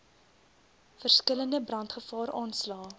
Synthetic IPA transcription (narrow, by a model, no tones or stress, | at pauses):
fərskələndəbrɐntχəfɑːɾɑːnslɑː